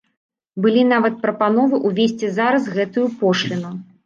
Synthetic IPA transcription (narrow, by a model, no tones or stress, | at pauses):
bɨlʲin̪avɐt̪̚pɾɐpanɔvɨʔuvʲesʲt͡sʲizaɾɐzɣɛt̪ujupɔʂlʲinu